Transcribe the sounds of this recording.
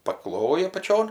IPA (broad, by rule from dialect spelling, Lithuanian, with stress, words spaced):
pɐˈklˠoːjɪ ɐpɐˈt͡ʃʲoːn